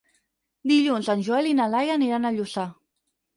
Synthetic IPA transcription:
d̪iʎunzanʲʒuelinalajaniɾanaʎusa

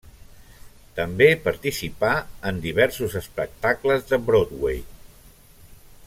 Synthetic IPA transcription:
t̪əmbepəɾt̪isipaənd̪iβ̞ɛɾsuzəspək̚t̪akləzðəbɾod̪wḛj

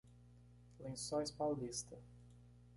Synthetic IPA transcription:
lẽsɔjspawlist̪ɐ

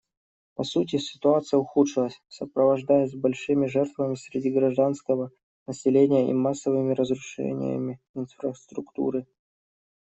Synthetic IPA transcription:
pɐsut̬ʲɪsʲɪ̥t̪ʊat̪sɨjəʊxut̪ʂɨlˠəsʲsəpɾəvɐʐd̪ajəs̬ʲbɐlʲʂɨmʲɪʐɛrt̪vəmʲɪsʲɾʲɪdʲiɡɾɐʐd̪anskəvə | nəsʲɪlʲenʲɪjəʔḭmasːəvɨmʲɪɾəzɾʊʂɛ̰nʲɪ̰jə̰mʲɪ | ɪnfɾəst̪ɾʊkt̪ṵɾɨ

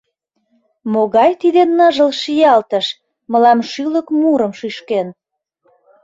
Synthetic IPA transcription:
moɣɑjt̪id̪enːɑʒəlʃijɑlt̪əʃ | məlɑmʃyləkmuɾə̆mʃyʃken

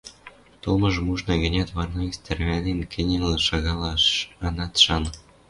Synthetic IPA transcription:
t̪ulmɤ̆ʒmuʒnɤ̆ɡɘ̆nʲæt̪βɑrnɑst̪ĕrβænʲenkʰɘ̆nʲelɤ̆ʃɑɣɑlɑɑnɑt̪ʃɑn

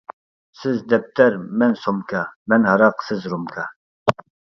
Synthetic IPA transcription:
sɪzd̪ɛp̚t̪ʰɛɾmɛnsomkʰɑmɛnhɑɾɑqsɪzɾumkʰɑ

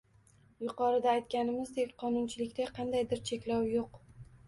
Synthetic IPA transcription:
jʊqɒɾɪd̪aːjt̪̚kʲanɪmɪzd̪ekʲqʰɒnʊnt͡ʃʰɪlɪkʲt̪aqʰɑnd̪ajd̪ɪɾt͡ʃʰe̞kʲlawjoq

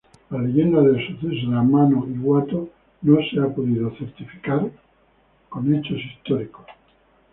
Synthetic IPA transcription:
larejend̪aðesoθes̬ðamanoiɣwat̪o | noseapoðið̞oθeɾt̪ifi̥kaɾ | ko̞net͡ʃosist̪oɾikos

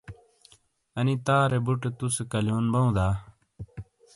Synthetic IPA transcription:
ənit̪aːɾebuʈt̪uskəljoːnbaũːd̪aː

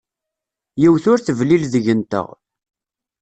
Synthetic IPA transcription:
jiwθʊɾθəvlilðəʝənt̪ə̰ʁ

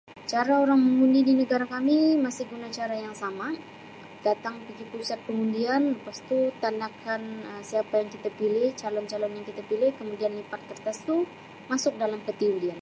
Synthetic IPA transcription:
t͡ʃaɾaoɾaŋməmundidinəɡaɾakamimasɪhɡunat͡ʃaɾajaŋsama | d̥at̪aŋpiɡipusat̪̚kəmundianəpast̪ut̪andakʰanəsiapajaŋkit̪apilɪht͡ʃalɔnt͡ʃalɔnjaŋkit̪apilɪhkəmudianlipatt̪ːərt̪əsu | masʊk̚dalamkət̪iundian

